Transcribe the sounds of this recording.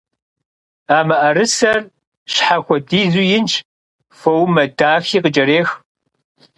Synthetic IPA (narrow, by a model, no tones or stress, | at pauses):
aːmɐʔɐɾɨsɐr | ɕħaxʷɔdiːzujɪnt͡ʃʰ | fɐwmɐdaːxiːqəd͡ʒʼɐɾeːx